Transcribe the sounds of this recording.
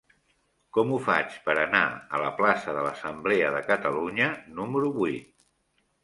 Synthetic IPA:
kɔmufa̰t͡ʃpəɾəna̰ə̰ləplasəðələsəmbleəðəkət̪əluɲənuməɾuβuit̪̚

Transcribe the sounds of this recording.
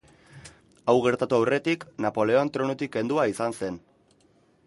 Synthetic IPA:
awɣe̞ɾt̪at̪uawre̞t̪iknapo̞le̞oant̪ɾo̞not̪ike̞nd̪uaisanse̞n

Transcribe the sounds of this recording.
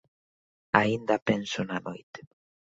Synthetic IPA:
aind̪apensonanojt̪e̥

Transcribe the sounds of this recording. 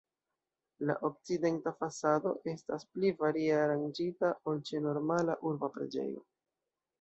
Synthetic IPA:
la̰ʔo̞k̚t͡side̞ntafasado̞̰ʔe̞stasplivaɾieaɾand͡ʒitaʔolt͡ʃeno̞ɾmalaʔuɾbapɾe̞̰d͡ʒe̞̰jo̞̰

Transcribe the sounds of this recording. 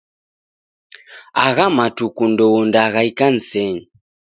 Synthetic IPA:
aɣamatukundɔwɔndaɣaikan̩sɛɲi

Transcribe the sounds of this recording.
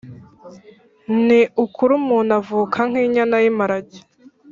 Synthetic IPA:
niukʰuɾumuːnavuːkʰaŋ̥iːɲanajimaɾaɟi̥

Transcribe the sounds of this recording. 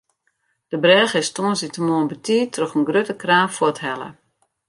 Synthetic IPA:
d̥əbrɛːɣɪstoənsitəmoənbətiːtrøxənɡrøtəkraːnfwɔthɛlˠə̰

